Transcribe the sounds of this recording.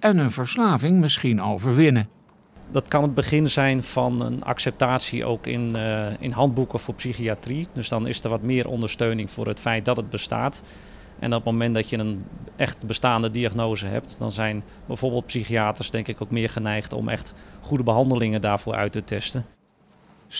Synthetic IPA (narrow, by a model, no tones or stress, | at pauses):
ɛnənvəɹslaːvɪŋmɪsχinowvəɹʋɪnə | dɑtkɑnəd̚bəχɪnzɛjnfɑnə̰na̰ksɛp̚taːtsiʔo̰wkɪ̰nɪ̰nɦɑnd̚bukəfʊːɹpsiχiatridøsdɔnɪ̰stərʋɔtmɪːɾʔɔ̰ndərstøɥnɪŋfʊ̰ːɾətfɛjt̚dɔtəd̚bəsta̰ːt | ʔɛ̰nɔp̚momɛntdɔtjəənʔɛχtbəstaːndədiaχnoːzəɦɛ̰p̚tdɔ̰nzɛjn | bɛjv̥oːrbəːlˠt̚psiχiaːtərsdɛŋkɪkowkmɪəɹχənɛjχtɔ̰mʔɛ̰χtχudəbəɦɑndəlɪŋədaːɹv̥ʊːʔœ̰ɥtətʰɛstə